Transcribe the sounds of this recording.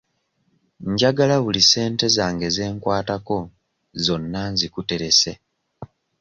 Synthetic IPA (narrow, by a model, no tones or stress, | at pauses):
ɲɟaɡalaβulise̞ːnte̞zaːŋɡe̞ze̞ːŋkwaːtako̞ | zo̞nːanzikute̞ɾe̞se̞